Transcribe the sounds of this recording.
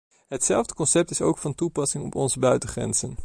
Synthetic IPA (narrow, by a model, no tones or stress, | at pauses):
ɦətsɛlˠvdəkɔnsɛp̚tɪso̰wkfɑntupɑsɪŋɔ̰pɔnzəbœɥtəχrɛ̰nz̥ən